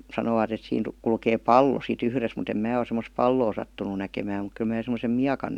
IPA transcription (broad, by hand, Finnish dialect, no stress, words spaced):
sɑnoːʋɑt et siːn kulkeː pɑlːo sit yhres mut em mæː o semːos pɑlːoː sɑtːunˑu nækemæːm muk kyl mæː semosem miɑkɑn